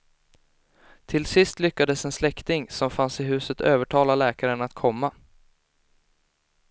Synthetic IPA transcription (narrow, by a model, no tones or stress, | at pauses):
t̪ʰɪlsɪst̪lʏkːad̪əsɛnslɛkt̪ɪŋsɔmfansɪɦʉ̟ːsət̪ʰøːvəʈʰɑːlalɛːkaɾənat̪kʰɔmːa